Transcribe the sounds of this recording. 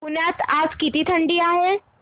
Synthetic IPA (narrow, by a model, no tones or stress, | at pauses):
ʊnaːt̪aːskit̪it̪ʰə̃ɳɖijaɦe